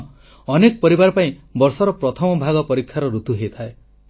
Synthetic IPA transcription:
ɔnekɔpɔɾibaɾɔpaĩbɔɾsɔɾɔpɾɔt̪ʰɔmɔbʱaɡɔpɔɾikʰːjaɾɔɾut̪uɦejt̪ʰae

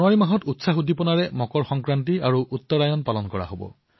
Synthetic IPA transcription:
nwaɹimaɦɔtutsaxudʱipɔnaɹɛmɔkɔɹxɔŋkɹantiaɹuʔutːɔɹajɔnpalɔnkɔɹa̰ɦobɔ̰

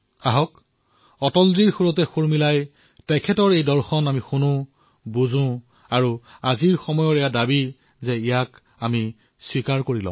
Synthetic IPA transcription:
aɦɔk | ɔtɔldiɹxuɹɔt̬ɛxuɹmilaj | tɛkʰɛtɔɹejdɔɹxɔnamixunʊ̃ | buzʊ̃ | aɹuaziɹxɔmɔjɔɹɛjadabi | zɛijak | ami | swikaɹkoɹilɔ̰̃

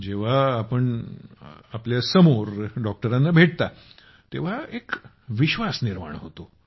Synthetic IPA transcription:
d͡ʑeʋ̤aːpəɳ | apljasəmoɾɖɔk̚ʈəɾãnːabʱeʈ̚t̪a | t̪eʋ̤aek | ʋiɕʋasniɾma̰ɳ̃ɦot̪o

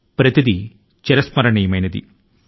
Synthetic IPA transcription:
pɾɐt̪ʰid̪i | t͡ʃeɾɐsmɐɾɐɳijɐmɐjnɐd̪ḭ

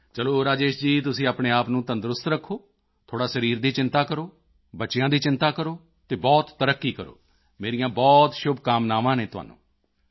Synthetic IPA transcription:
t͡ʃəloːɾaːd͡ʒeːʃd͡ʒiːt̪̬ʊsĩːaːpɳeːaːpnũːt̪ənd̪ɾʊst̪ɾəkʰːoː | t̪ʰoːɽaːsəɾiːɾd̪iːt͡ʃɪ̃nt̪aːkəɾoː | bətːʃjãːd̪iːt͡ʃɪnt̪aːkəɾoː | t̪eːbɔːt̪ːəɾəkːiːkəɾo̰ː | meːɾijãːbɔːt̪ʃʊbkaːmnaːʋãːneːt̪ʊɦa̰ːnṵ̃ː

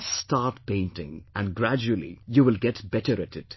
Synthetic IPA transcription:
staːʈpẽɪ̃ntɪ̰̃ŋæ̃nɡɾæd͡ʒuəlḭjuʋɪlɡɛʈbɛʈəɾɨtɪt

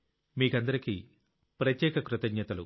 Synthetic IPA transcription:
miːkɐnd̪ɐɾiki | pɾɐt̪jɛːkɐkɾut̪ɐɡɲɐt̪ɐlṵ

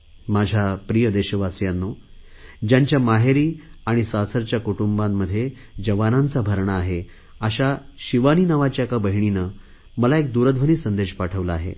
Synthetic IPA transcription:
mad͡ʑʱjapɾijəd̪eɕəʋasjanːo | d͡ʑjaɲt͡ɕjamaɦeɾiːaɽ̃isasəɾt͡ɕjakuʈumbamːəd̪ʱːje | d͡ʑəʋanant͡sabʱəɾɳaaɦe | aɕaɕiʋaniːnaʋat͡ɕjakabəɦiɳ̃inə | məlaek̚d̪uɾəd̪ʱʋəniːsənd̪eɕpaʈʰəʋlaːɦḛ

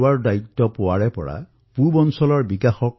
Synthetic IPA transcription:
waɹdait̪ːɔpowaɹɛpɔ̰ɹa̰ | pubɔnsɔlɔɹbikaxɔk

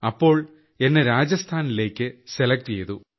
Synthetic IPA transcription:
ɐpːo̞ːɭ | e̞nːeɾaːd͡ʑjɐst̪ʰaːnile̞ːkʲːɨselɐk̚ʈt͡ɕe̞jðu

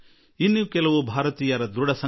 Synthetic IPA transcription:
inːukɛlɐʋubʱaːɾɐt̪iːjɐɾɐd̪ɾuɽɐsɐ

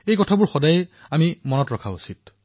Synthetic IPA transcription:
ejkɔtʰabʊɹxɔdajamimɔnɔtɹɔkʰausit

